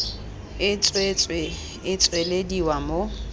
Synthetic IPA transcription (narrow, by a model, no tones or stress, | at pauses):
ɪt͡sʼwet͡sʼwe | ɪt͡sʼwelediwamo